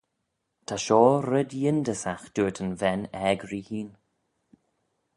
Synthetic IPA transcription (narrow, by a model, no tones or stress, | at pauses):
t̪ʰaʃɔːɾɪdjɪndəsaxd̥uːətʰənvɛnɛːɡɾihiːn